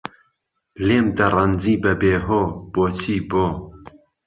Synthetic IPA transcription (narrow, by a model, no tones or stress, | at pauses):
leːmd̪ɐrand͡ziːbɛbeːɦoːb̥oːt͡sʰiːboː